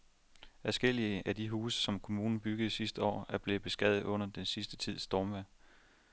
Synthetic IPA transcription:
æsɡ̥el̰iəʔæd̥iɦuːsə̥sɒ̽mkʰo̝muːnn̩b̥yɡ̥ð̩ˠsisd̥əɒ̰ːæɐb̥le̝b̥e̝sɡ̥ɛð̰̩ˠɔ̽n̰ɐd̥ensisd̥ət͡sʰið̞̰ˠsd̥ɒːmʋæ

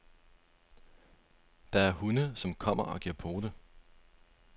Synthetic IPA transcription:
d̥ɑ̈æɐhunəsɒ̽mkʰɒ̽m̰ɐʔɒ̽ɡ̥iɐ̰pʰo̝ːd̥ə

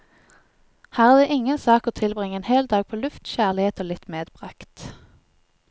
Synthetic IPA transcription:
hæːʁæːʁd̪eːʔɪŋənsɑːkoːt̪ʰɪlbʁɪŋəeːnheːld̪ɑːɡ̚pʰoːlʉft̪çæʁlɪeːt̪oːlɪt̪meːd̪bʁɑkt̪

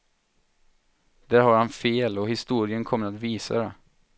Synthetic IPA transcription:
d̪̥æːɾhaɾhanfeːlɔhɪst̪uːɾɪənkʰɔmːəɾat̪viːsa̰d̪ɛ

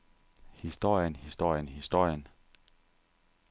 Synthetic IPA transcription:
hisd̥o̝ɐ̰jənhisd̥o̝ɐ̰jənhisd̥o̝ɐ̰jən

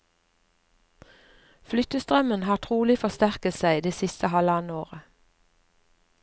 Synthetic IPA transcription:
flʏt̪əst̪ʁœmənhɑːʁt̪ʰʁuːlɪfɔst̪æʁkət̪sæɪd̪eːsɪst̪əhɑlɑnoːʁə

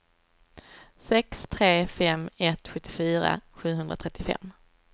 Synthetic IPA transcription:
sɛkst̪ʰɾeːfɛmɛt̪ɧɵt̪ʰːɪfyːɾa̰ɧʉ̟ːɦɵnd̪ɾat̪ʰɾɛt̪ːɪfɛ̰mː

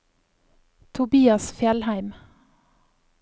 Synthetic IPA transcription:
t̪ʰʊbiːɑsfjɛlhæɪm

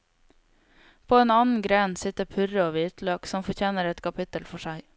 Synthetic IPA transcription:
pʰoːeːnɑːnn̩ɡɾɛnsɪt̪əpʰʉɾəoːʋɪt̪løːksɔmfɔɾçʰeːnəɾɛt̪kʰɑpʰɪt̪əlfɔʃæɪ

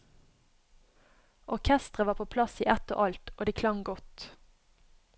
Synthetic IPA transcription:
ʔɔʁkʰɛst̪ʁəʋɑːpʰoːpʰlɑsiːʔɛt̪o̰ːʔɑlt̪oːd̪iːkʰlɑŋɡɔt̪

